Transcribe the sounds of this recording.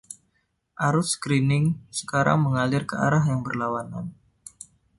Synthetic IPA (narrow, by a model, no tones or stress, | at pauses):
ʔaɾʊskɾinɪŋsə̥kaɾa̰ŋməŋalɪrkəa̰ɾaɦjaŋbərlawana̰n